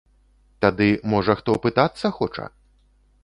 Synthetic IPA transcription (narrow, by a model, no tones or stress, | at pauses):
t̪ad̪ɨmɔʐɐxt̪ɔpɨt̪at̪sːɐxɔt͡ʂɐ̰